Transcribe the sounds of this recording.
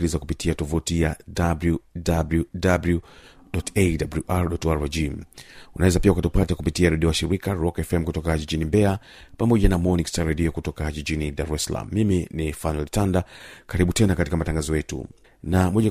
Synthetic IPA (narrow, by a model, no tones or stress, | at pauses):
ilizakupitiatɔvutijadabljudabludablu | ɗɔtedabluʔaɾɗɔtaɾad͡ʒiunawɛzapiaukatupatakupitiaɾɛɗiɔaʃiɾikaɾɔkɛfɛm̩kutɔkaʄiʄinimbɛa | pamɔʄanamɔnikstaɾɛɗiɔkutɔkaʄiʄiniɗaɾuɛsla̰m̩ːiminifanwɛltandakaɾiɓutɛnakatikamataŋɡazɔjɛtṵ | namɔʄa